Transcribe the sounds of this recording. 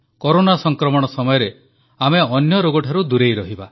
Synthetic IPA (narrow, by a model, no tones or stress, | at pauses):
kɔɾonasɔŋkɾɔmɔɽ̃ɔsɔmɔjɔɾe | ameɔnjɔɾoɡɔʈʰaɾud̪uɾejɾɔɦiba